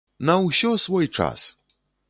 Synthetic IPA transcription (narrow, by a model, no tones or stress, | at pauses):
nɐwsʲɔsvɔjt͡ʂa̰s